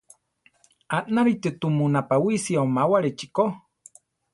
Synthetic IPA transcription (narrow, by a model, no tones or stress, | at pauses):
anaɾit̪ɨt̪umunapawisiaomawaɾet͡ʃiko